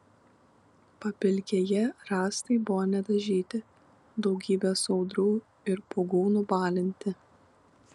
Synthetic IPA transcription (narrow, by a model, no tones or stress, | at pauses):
pɐpʲɪlʲkʲeːjɛɾɑːst̪ɐɪbʊʋoːnʲɛd̪ɐʒʲiːt̪ʲɪ | d̪ɒʊɡʲiːbʲeːsɒʊd̪ɾuː | ɪɾpoɡuːnubɑːlʲɪnʲt̪ʲɪ